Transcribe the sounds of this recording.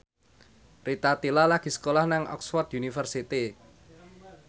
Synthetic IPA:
rit̪at̪ilalaɡ̥i̤sə̥kolahnaŋʔɔ̰ksfɔrt̪unifərsit̪i

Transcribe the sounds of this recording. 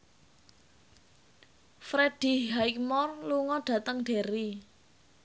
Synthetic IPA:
fɾed̥i̤ɦaikmɔrluŋɔɖ̥ä̤t̪əŋɖ̥e̤ɾi

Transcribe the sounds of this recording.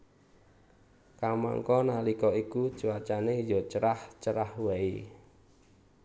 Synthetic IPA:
kaŋma̰ŋkɔnalikɔikut͡ʃuwat͡ʃanejɔt͡ʃəɾaht͡ʃəɾahwai

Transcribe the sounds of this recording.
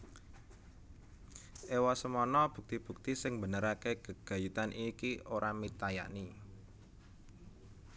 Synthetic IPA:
ʔewasəmɔnɔb̥ṳk̚t̪ib̥ṳk̚t̪isɪŋbə̤nəɾakeɡ̥əɡ̥a̤jut̪anʔikioɾʔamit̪aja̰ʔni

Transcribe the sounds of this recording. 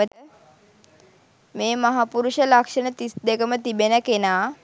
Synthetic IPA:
ət̪ə | meːmaɦapuɾuʂəlakʂənət̪isd̪ekəmət̪ibenəkenaː

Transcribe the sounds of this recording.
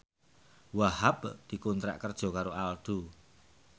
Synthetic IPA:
wahabd̪̥i̤kunt̪ɾa̰ʔkərd̥ʒ̥ɔ̤kaɾoʔald̪̥u

